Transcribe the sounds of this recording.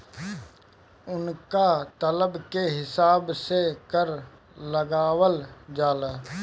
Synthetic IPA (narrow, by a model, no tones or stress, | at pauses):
ʊnkat̪ələbkeɦɪsaːbsekəɾ | ləɡaːwəld͡ʒaːlaː